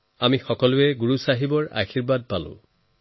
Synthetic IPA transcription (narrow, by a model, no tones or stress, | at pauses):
amixɔkɔlʊɛɡuɹusaɦibɔɹa̰xiɹbad̚palʊ̰̃